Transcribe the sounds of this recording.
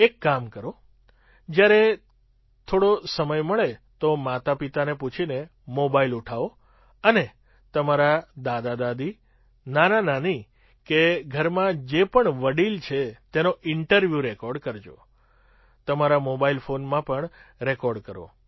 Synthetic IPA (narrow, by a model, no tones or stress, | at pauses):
ekːamkəɾo | d͡ʒjaɾe | t̪ʰoɽosəməjməɭet̪omat̪apit̪aneput͡ʃʰine | mobailuʈʰao | əne | t̪əmaɾad̪ad̪ad̪ad̪i | nanãnani | keɡʱəɾmãd͡ʒepəɳʋəɽilt͡ʃʰet̪enoʔɪɳʈəɾʋjuɾekɔɾɖkəɾd͡ʒo̰ | t̪əmaɾamobailfonmãpəɳɾekɔɾɖkəɾo̰